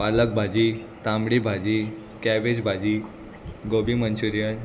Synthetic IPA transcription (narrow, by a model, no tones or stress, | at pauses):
ʋalək̚bʱad͡ʑi | t̪amɽibʱad͡ʑi | kɛʋed͡ʑbʱad͡ʑi | ɡobimənt͡ɕuɾijən